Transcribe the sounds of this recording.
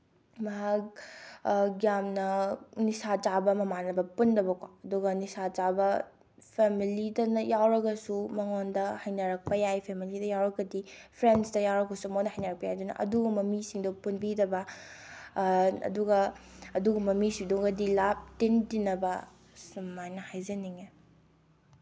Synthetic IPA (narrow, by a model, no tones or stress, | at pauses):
mɐɦak̚ | ɡjamnɐnisat͡ʃabɐmɐmanɐbɐpundɐbɐkoɐduɡɐnisat͡ʃabɐ | pʰemilidɐnɐjawɾɐɡɐsumɐŋondɐhɐjnɐɾɐk̚pɐjajpʰemilidɐjawɾɐkːɐdipʰɾensdɐjawɾɐkosumonɐhɐjnɐɾɐk̚pɐjajdunɐ̰ʔɐ̰duɡɐmɐmisiŋdopunbidɐbɐ | ɐ̰duɡɐɐduɡɐmɐmisiŋdoɡɐdilap̚tintinːɐbɐ | sumːajnɐhajzɐniŋe